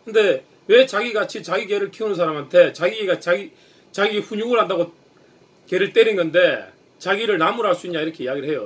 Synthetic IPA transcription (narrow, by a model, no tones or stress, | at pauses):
kʰɯnde̞ | we̞t͡ɕaɡiɡat͡ɕʰit͡ɕaɡike̞ɾɯɭkʰeunɯns̬ʰaɾamɦantʰe̞t͡ɕaɡiɡat͡ɕaɡi | t͡ɕaɡieɸuɲuɡɯɭɦandaɣo | ke̞ɾɯɭt͈e̞ɾinɡʌnde̞ | t͡ɕaɡiɾɯɭnamuɾɦaɭs͈uiɲːaiɾʌkʰe̞ijaɡiɾɭɦe̞jo